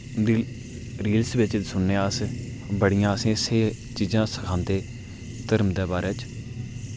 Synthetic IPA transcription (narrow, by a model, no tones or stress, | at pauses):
d̪iː | ɾiːlsʋɪt͡ʃsʊnːeːəs | bəɽijãːsẽːseː | t͡ʃiːd͡ʒãːsəkʰãːnd̪eː | t̪əɾmd̪eːbaːɾɛːt͡ʃ